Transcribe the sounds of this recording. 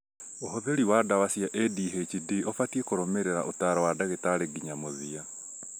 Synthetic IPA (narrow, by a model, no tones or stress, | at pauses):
oɦoðeɾiwadawasijaʔediːɦet͡ʃidiofatiekoɾomeɾeɾa̰ʔotaːɾawadaɣetaɾeɡiɲamoðia